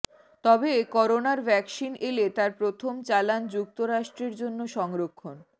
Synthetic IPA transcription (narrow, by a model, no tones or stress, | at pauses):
t̪ɔbekɔɾonaɾbʱɛksinʔelet̪aɾpɾot̪ʰomt͡ɕaland͡ʑuk̚t̪oɾaʃʈɾeɾd͡ʑonːoʃɔŋɾokʰːon